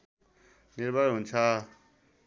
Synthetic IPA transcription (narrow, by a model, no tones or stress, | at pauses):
niɾbaɾɦunt͡sʰʌ